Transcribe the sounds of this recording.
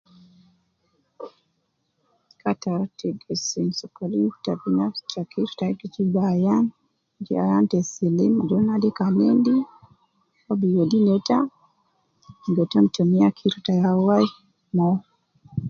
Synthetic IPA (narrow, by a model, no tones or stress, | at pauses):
kataɾtiɡɛsinsɔkalitabinafst͡ʃakʰiɾtaikit͡ʃibajan | d͡ʒia̰jantɛsilimad͡ʒɔnadikanɛndi | ɔbijɔdinɛta | ŋɡɛtɔmtɔmiakʰiɾtajawaj | mɔ